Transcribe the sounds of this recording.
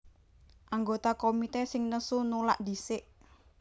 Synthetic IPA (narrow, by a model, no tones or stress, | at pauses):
ʔaŋɡot̪akomit̪ɛsɪŋnəsunula̰ʔd̪i̤sɪʔ